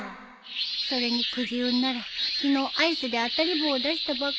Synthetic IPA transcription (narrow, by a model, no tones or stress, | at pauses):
so̞ɾe̞ɲ̟ikɯ̟d͡ʑiɯnːaɾakʲino̞ːʔaisɨd̪e̞at̪aɾʲiboːd̪aɕi̥t̪aba